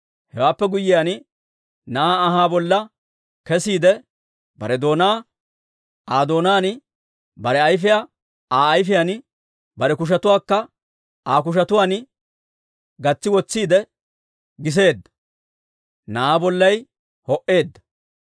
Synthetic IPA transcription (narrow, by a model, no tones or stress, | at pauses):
hɛwaːpːɛɡʊjːɪjan | naːɦaːbɔlːɐ | kɛsiːd̪ɛ | bɐ̰ɾɛd̪o̞ːnaː | aːd̪o̞ːnaːn | bɐɾɛɐjfɪjaː | aːjfɪjan | bɐɾɛkʊʃ̬ɐt̪ʊwaːkːɐ | aːk̬ʊʃ̬ɐt̪ʊwaːn | ɡɐt͡sːɪwɔt͡sːiːd̪ɛ | ɡɪs̬e̞ːd̪ːɐ̥ | naaːbɔlːɐj | hɔʔe̞ːd̪ːɐ̥